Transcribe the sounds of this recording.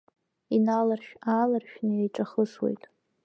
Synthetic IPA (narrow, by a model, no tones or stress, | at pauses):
inalarʃᶣalarʃᶣnɨejʈ͡ʂʼaχəswḛjtʼ